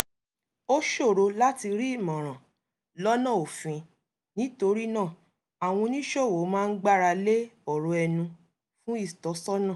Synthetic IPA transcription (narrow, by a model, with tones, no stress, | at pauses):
o˦ʃo˦˨ɾo˧la˦ti˧ɾi˦i˦˨mɔ̃˨ɾ̃ã˨ | lɔ˦nã˦˨o˨fĩ˧ | nĩ˨˦to˧ɾi˦nãː˦˨ | a˨w̃ɔ̃˧nĩ˦ʃo˦˨wo˨˦mãː˦˧n̩˦ɡ͡ba˦˨ɾa˧le˦ɔ˨ɾo˧ɛ˧nũ˧ | fũ˦i˦˨tɔ˨˦sɔ˦nã˦˨